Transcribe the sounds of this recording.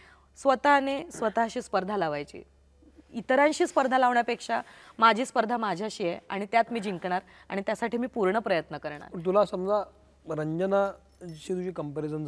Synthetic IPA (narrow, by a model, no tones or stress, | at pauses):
sʋət̪anesʋət̪aɕiːspəɾd̪ʱalaʋajt͡ɕḭː | it̪ɾãnɕiːspəɾd̪ʱalaʋɳjapekʂamad͡ʑʱiːspəɾd̪ʱamad͡ʑʱjaɕiːjɛa̰ɽ̃it̪jat̪miːd͡ʑiŋkɳ̃aɾ | a̰ɽ̃it̪jasaʈʰiːmiːpuɾɳəpɾəjət̪nəkəɾɳ̃a̰ɾət̪̬ulasəmd͡za | ɾəɲd͡ʑəna | ɕiːt̪uɕiːkəmpeɾisənd͡z